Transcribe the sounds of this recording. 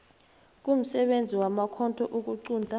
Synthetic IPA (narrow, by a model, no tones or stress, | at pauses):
k̬ʼum̩sɛɓend͡zʱiwamakʰɔntʰʼɔʔuk̬uǀuːndʱa